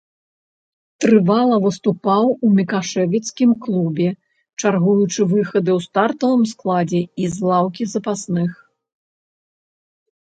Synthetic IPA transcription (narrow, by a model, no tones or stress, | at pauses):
t̪ɾɨvalˠɐvɨst̪upawumʲikaʂɛvʲit̪skʲimklˠubʲɛ | t͡ʂarɣujut͡ʂɨvɨxɐd̪ɨwst̪art̪ɐvɨmsklˠad͡zʲɛizlˠawkʲizɐpasnɨx